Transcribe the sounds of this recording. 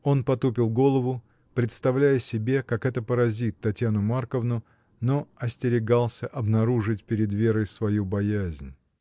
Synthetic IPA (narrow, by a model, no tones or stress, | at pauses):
o̞npɐt̪upʲɪlˠɡo̞lˠəvʊ | pɾʲɪt̪st̪ɐvlʲæjəsʲɪbʲe̞kakɛt̪əpəɾɐzʲit̪ːɐtʲjanʊmarkəvnʊ | no̞ɐsʲtʲɪɾʲɪɡɑlˠsʲəʔɐbnɐɾuʐɨtʲpʲɪɾʲɪd̪vʲe̞ɾəjsvɐjubɐjæzʲnʲ